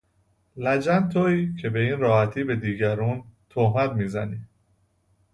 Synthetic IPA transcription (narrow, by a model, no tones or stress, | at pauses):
læd͡ʒænt̪ʰoiːcʰe̞be̞iːnɾɒːhæt̪ʰiːbe̞d̪iːɟæɾuːnt̪ʰohmæd̪miːzæniː